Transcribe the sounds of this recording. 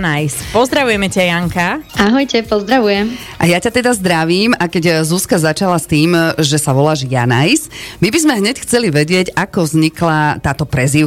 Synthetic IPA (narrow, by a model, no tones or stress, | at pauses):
najspɔzd̪ɾaʋujɛmɛcajaŋkaʔaɦɔjcɛpɔzd̪ɾaʋujɛm | ʔajacat̪ɛd̪azd̪ɾaʋiːmakɛɟzuskazat͡ʃalast̪iːmʒɛsaʋɔlaːʒjanajsmibizmɛɦɲɛcxt͡sɛliʋɛɟɪɛɟakɔvzɲiklat̪aːt̪ɔpɾɛzi